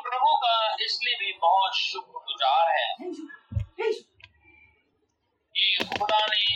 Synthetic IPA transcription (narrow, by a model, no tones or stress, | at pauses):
pɾəmõkaɪsliebʱibɔɦʊt̪ʃʊkɾɡʊd͡ʒaːɾɦɛː | kiʊɽaːni